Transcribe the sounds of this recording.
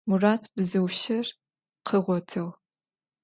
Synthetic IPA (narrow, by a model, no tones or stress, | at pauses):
muraːtʰb̥ɨzɨwʃɐr | qʰəʁʷɔtʰɐw